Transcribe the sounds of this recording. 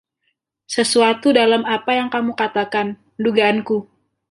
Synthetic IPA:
səsuat̪udalamapajaŋkamukat̪akan | əduɡaːnku

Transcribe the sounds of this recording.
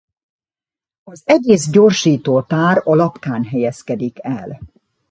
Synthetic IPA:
ɒzɛɟeːzɟo̞rʃiːt̪oːt̪aːɾɒlɒpkaːnɦɛjɛskɛd̪ikɛl

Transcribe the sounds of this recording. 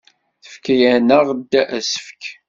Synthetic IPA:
θə̥fkæjænəʁd̪ːæʔæsə̥fək

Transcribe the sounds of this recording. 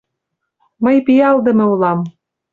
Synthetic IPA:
məjpijɑld̪ɤ̆mĕulɑm

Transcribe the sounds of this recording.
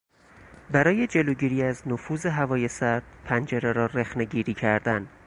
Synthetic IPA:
bæɾɒːje̞d͡ʒe̞loɟiːɾiːæznofuːze̞ɦævɒːje̞sæɾd̪̥̚pʰænd͡ʒeɾeɾɒːɾexneɟiːɾiːcʰæɾd̪æn

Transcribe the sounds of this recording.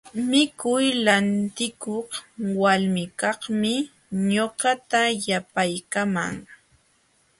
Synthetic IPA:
mɪkʊjlant̪ɪkoχwalmɪkɑhmɪ | ɲoɢɑt̪ajapajkama̰ŋ

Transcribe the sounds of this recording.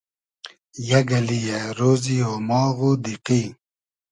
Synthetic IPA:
jɐɡɐlijaɾoːzioːmɔːɣud̪iqi

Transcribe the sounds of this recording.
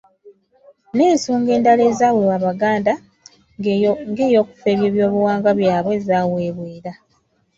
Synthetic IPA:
ne̞ːnsuːŋɡe̞ːndale̞ːzaːwewaːβaɡaːnda | ŋɡe̞ːjo̞ːku̥fe̞ːβjeːβjo̞ːβuwaːŋɡaβjaːβwe̞ːzaːweːβweːɾa

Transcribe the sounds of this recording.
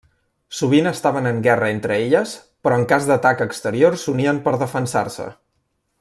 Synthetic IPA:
suβ̞inəst̪aβənəŋɡɛrəent̪ɾəeʎəs | pɾɔəŋkazd̪ət̪akəkst̪əɾiorsuniəmpəɾðəfənsa̰rsə̰

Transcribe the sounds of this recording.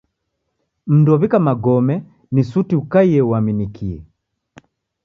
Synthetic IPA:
m̩dɔβikamaɡɔmɛ | nisutiukaiɛwaminikʰiɛ̰

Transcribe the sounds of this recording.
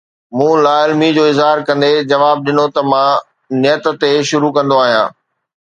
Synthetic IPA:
mũːlaːlmid͡ʑoːɪzɦaːɾkɐ̃nd̪ed͡ʑɐʋaːb̚ɗɪnot̪ɐmãː | nɪjət̪t̪eʃʊɾukɐ̃nd̪oaːɦijã̰ː

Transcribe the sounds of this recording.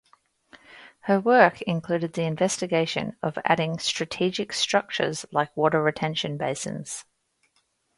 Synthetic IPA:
həwɜˑkʰɪ̃nkʰl̥ʉːɾɪd̪̚ðiɪ̃ɱvɛstɪɡeɪʃə̰̃nəvæ̰ɾɪ̃ŋstɹ̥ətʰiːd͡ʒɪkstɹ̥ʌk̚t͡ʃə̰zlaɪkwɔˑɾəɹətʰɛ̃nʃə̃nbeɪsɪ̰̃nz̥

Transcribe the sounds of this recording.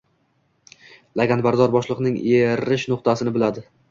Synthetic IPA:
laɡʲanbaɾd̪ɒɾbɒʃlˠɨqnɪŋeɾɪʃnʊqt̪ʰasɪnɪbɪlad̪ɪ

